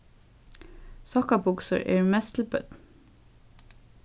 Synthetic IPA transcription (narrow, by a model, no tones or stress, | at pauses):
sɑkɑbʊksə̰ɹḛːɹmɛst̪l̩bœ̰d̪̥